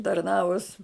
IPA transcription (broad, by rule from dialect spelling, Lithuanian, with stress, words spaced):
tɐrˈnɑːʋʊs